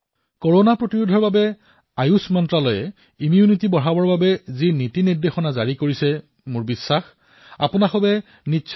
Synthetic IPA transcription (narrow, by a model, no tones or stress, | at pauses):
koɹɔnapɹotiɹudʱɔɹbabɛ | ajusmɔntɹalɔjɛ | imijunitibɔɹabɔɹbabɛzinitinidːexɔnazaɹikoɹisɛ | mʊɹbisːax | a̰pʊnaxɔbɛ | nitːʃʰ